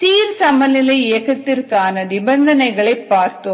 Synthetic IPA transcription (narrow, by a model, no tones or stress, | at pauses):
t̪iːɾsɐmɐlɪlɐɪɪɐɣɐt̪ːɪrkaːnɐnɪbɐnd̪ɐnɐɪɣɐɭɐɪpːaːɾt̪o